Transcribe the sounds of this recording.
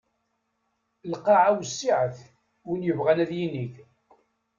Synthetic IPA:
lqɑʕawsːiʕəθ | winjəvʁænæðjiniθ

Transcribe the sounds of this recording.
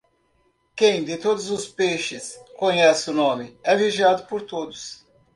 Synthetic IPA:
kẽj̃d̪ɪt̪od̪ʊzʊspeʃɪskoɲɛsɪʊnõmɪɛviʒad̪ʊpoɾt̪od̪ʊs

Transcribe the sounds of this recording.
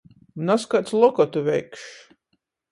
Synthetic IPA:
naskat̪slˠɔkɔt̪uvʲɛjkʃ

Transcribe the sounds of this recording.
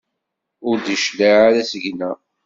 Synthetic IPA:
ʊɾd̪iʃlaʕaɾasəʝnæ

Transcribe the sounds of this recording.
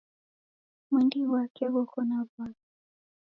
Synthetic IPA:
mwindiwakɛwɔkʰɔnavali

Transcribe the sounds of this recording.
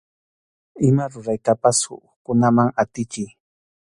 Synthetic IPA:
ɪmaɾʊɾajkapasʊ̰ | kʊnamaŋat̪ɪt͡ʃɪj

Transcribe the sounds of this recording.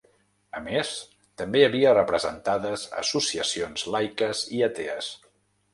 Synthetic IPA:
əmes | t̪əmbeəβiərəpɾəzənt̪aðəzə̰susiəsionzlajkəziət̪eəs

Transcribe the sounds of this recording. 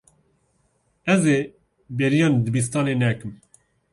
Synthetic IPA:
ɛze | beɾijɑːnd̪ɨbis̬t̪ɑːneːnɛkɨm

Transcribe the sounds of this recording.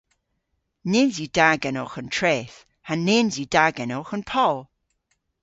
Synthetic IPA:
nɪnzidaɡɛnɔχəntʰreːθ | aneːnzidaɡɛnɔχənpʰɔlˠ

